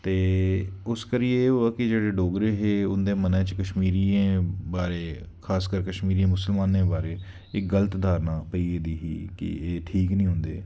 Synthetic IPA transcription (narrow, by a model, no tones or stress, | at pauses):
t̪eːʊskəɾieoaːkɪd͡ʒeːɽeːɖoːɡɾeːɦeːʊnd̪eːmənɛ̃ːt͡ʃkəʃmiːɾiːẽːbaːɾeː | kʰaːskəɾkəʃmiːɾiːẽːmʊsəlmaːnẽːbaːɾeː | ɪkɡələt̪d̪aːɾnãːpəiːeːd̪iːɦḭːkɪ̰eːʈʰiːknĩːɦʊ̃nd̪eː